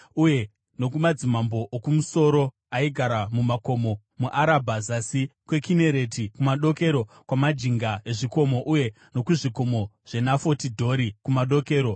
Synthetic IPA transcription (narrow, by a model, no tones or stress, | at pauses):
uje̞ | no̞kumad͡zimambo̞ʔːkumuso̞ɾo̞ | aiɡʱaɾamumako̞mo̞ | muʔaɾabʱazasikwe̞kine̞ɾe̞tikumaɗo̞ke̞ɾo̞ | kwamad͡ʒiŋɡaeʐiko̞mo̞ʔuje̞ | no̞kuʐiko̞mo̞ | ʐ̥e̞nafo̞tidʱo̞ɾikumaɗo̞ke̞ːɾo̞